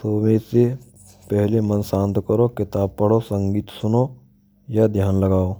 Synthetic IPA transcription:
t̪oːmẽse | pɛɦlemənsãːnt̪kəɾokɪt̪aːb̚pɐɽosə̃ŋɡiːt̪sʊno | jad̪ʱjaːnlɐɡaːoː

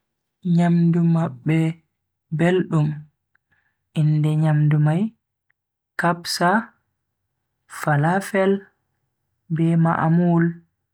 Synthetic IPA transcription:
ɲamdumabːɛ | belɗum | ʔindɛɲamdumaj | kabsa | falafɛl | bɛma̰ʔmul

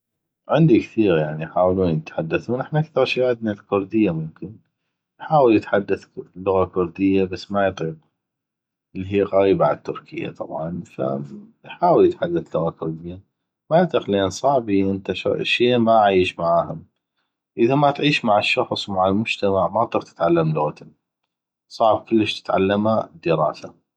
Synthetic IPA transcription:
ʕɪnd̪ikθiːɾjaʕniħaːwluːnjjɪt̪ħad̪ːaθuːnʔɪħnaʔakθɑɾˤʃiːʕad̪̚nalkʊɾd̪ɪjːamʊmkɪn | jħaːwɪljɪt̪ħad̪ːaθlːʊɣakʊɾd̪ɪjːabasːmajɪt̪ˤiq̚ | ʔəlːiɦiːqɑɾiːbaʕat̪ːʊɾkʰɪ̰jːa̰t̪ˤɑ̰bʕɑnfa̰jħaːwljɪt̪ħad̪ːaθlʊɣakʊɾd̪ɪjːa | majɨt̪ˤiqlʔeːnsˤɑʕbiʔənt̪aʃʃeːmaʕajɪʃmaʕaːhʊm | ʔəðamat̪ʕiːʃmaʕaʃːɑxsˤwmaʕalmʊd͡ʒt̪amaʕmat̪ˤːiːɾt̪ɪ̥t̪ʕalːamlʊɣat̪ʊ | sˤɑʕb̚kʊlːəʃt̪ɪ̥t̪ʕa̰lːamad̪ːəɾɑ̰ːsa

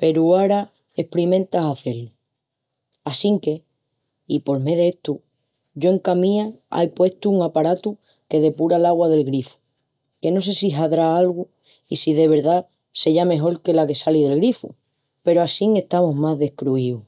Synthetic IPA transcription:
pe̞ɾuaɾa | e̞hpɾimẽ̞nt̪aɦaθe̞ɾlu | asiŋke̞ | ipo̞ɾme̞ðeet̪u | ɟ͡ʝo̞e̞ŋkamĩaa̰jpwe̞t̪uːŋapaɾat̪u | ke̞ðe̞puɾalaɣwað̞e̞lɣɾifu̥ | ke̞no̞se̞siɦaðɾaalɣu | isiðe̞β̞e̞ɾða | se̞ʝame̞ɦo̞lke̞lake̞salið̞e̞lɣɾifṵ | pe̞ɾoasiŋe̞ht̪amoɦmazðe̞hkɾuiu

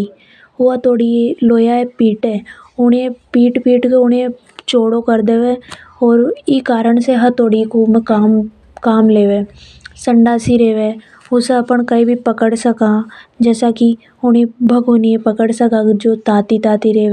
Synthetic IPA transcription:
ɦʊat̪oːɽieloːjaepiːʈɛːʊnẽpiːʈpiːʈkeʊnẽ | t͡ʃoːɽokəɾd̪eːʋẽːɔːɾɪkaːɾəɳseɦɐɾt̪oːɽikuːmẽkaːm | kaːmleːʋeː | sə̃ɳɖaːsiɾeːʋe | ʊseɐpəɳkɐibʱipəkəɽsɐkad͡ʒɛːsaki | ʊɽẽbʱɐɡoniepəkəɽsɐkad͡ʒoːt̪aːt̪it̪aːt̪iɾeː

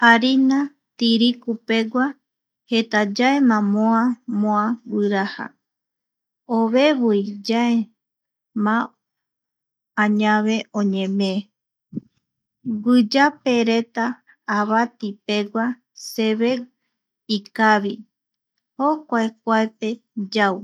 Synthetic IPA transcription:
aɾina | t̪iɾikupe̞ɡʷa | he̞t̪ad͡ʒaemãmõãmõawɨɾaha̰ | oβe̞βɨjd͡ʒae | mã | ɲãβe̞õɲẽmẽ | ɡɨd͡ʒape̞ɾe̞t̪aː | βat̪ipe̞ɡʷa | seβe̞ | ikaβi | ho̞kʷaek̚ʷaepe̞d͡ʒaw

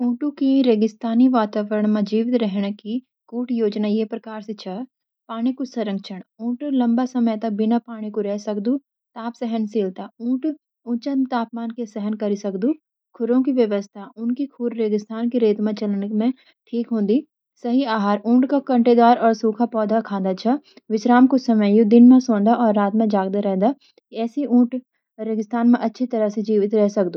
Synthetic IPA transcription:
ũːʈũkiɾeːɡɪst̪aːniʋaːt̪aːʋəɾəɽ̃mẽd͡ʒiːʋt̪ɾɛɦɽ̃ki | kuːʈjoːd͡ʒnajeːpɾɐkaːɾsit͡ʃʰɐ | paːɽ̃ikusɐɾə̃ŋɡt͡ʃʰəɽ̃ũːʈlɐ̃mbasɐməjt̪ɐk̚bɪnapaːɽ̃ikuɾɛɦsɐkd̪u | t̪aːpsɛɦənseːlt̪aũːʈ | ʊ̃t͡ʃə̃nt̪aːp̚maːnkesɛɦənkɐɾisɐkd̪uː | kʰʊɾõkiʋjɐʋəst̪ʰaʊnkikʰuːɾɾeːɡɪst̪ʰaːnkiɾeːt̪mẽt͡ʃɐlnəkmẽ | ʈʰiːkɦõːnd̪iː | sɐɦiaːɦaːɾũːɳʈkakɐ̃ɳʈed̪aːɾɔːɾsuːkʰapɔːd̪ʱakʰãːnd̪at͡ʃʰɐ | ʋɪʃɾaːmkʊsɐməjud̪ɪnmẽsõːnd̪aɔːɾːaːt̪mẽd͡ʒaːɡd̪aɾɛɦd̪a | kiɛːsiũːʈ | ɾeɡɪst̪ʰaːnmẽʔɐtːʃʰit̪ɐɾəsed͡ʒiːʋɪt̪ɾɛɦsɐk̚d̪uː

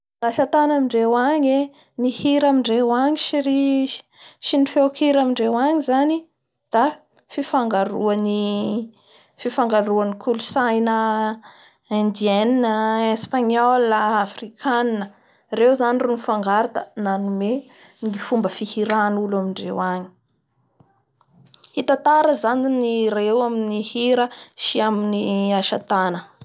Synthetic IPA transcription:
ɡ̥aʃat̪anamiɳɖ͡ʐewaɲe | nihiɾamiɳɖ͡ʐewaɲiʃiɾi̥ | ʃinifewkiɾamiɳɖ͡ʐewaɲizani | d̪̥a | fifaŋɡaɾuani | fifaŋɡaɾuanikʰulusajnə | and̪ieninəespaɲɔlaːfrikʰaninə | rewzanirunfaŋɡaɾat̪ənanume | ŋɡifumbəfihiɾanulamiɳɖ͡ʐewaɲi̥ | hit̪at̪aɾəzaniniɾewaminihiɾəʃiaminiaʃat̪anə

